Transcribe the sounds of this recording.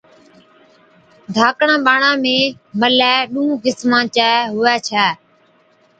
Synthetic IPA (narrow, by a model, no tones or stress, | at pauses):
d̪ʱaːkɳãːɓaːɳãːmẽːməlɛːɗũːɦũːkɪsmãːt͡ʃaːɦʊʋɛːt͡ʃʰɛː